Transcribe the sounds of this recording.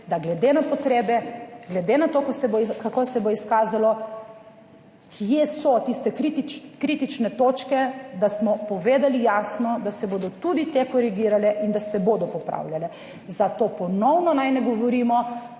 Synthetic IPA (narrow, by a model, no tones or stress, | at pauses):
d̪aɡlɛd̪enapɔt̪ɾeːbɛɡlɛd̪enat̪okosɛboikakosɛboiskaːzalɔ | kʰijesɔt̪ist̪ɛkɾit̪it͡ʃkɾit̪it͡ʃnɛt̪oːt͡ʃkɛd̪asmɔpɔʋeːd̪alijaːsnɔd̪asɛboːd̪ɔt̪ud̪it̪ekɔɾiɡiːɾalɛʔind̪asɛboːd̪ɔpɔpɾa̰ːwljalɛ | zat̪oːpɔnɔwnɔnajnɛɡɔʋɔɾiːmɔ